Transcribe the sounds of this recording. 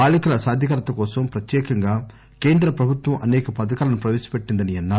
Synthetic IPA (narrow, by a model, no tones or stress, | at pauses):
aːlikɐlɐsaːd̪ʱjɐkɐɾɐt̪ɐkɔːsɐmpɾɐt̪jɛːkɐŋɡaː | keːnd̪ɾɐpɾɐbʱut̪ʋɐmʔɐnɛːkɐpɐd̪ɐkaːlɐnupɾɐʋeːsɐ̥peʈːind̪ɐniɐnːaː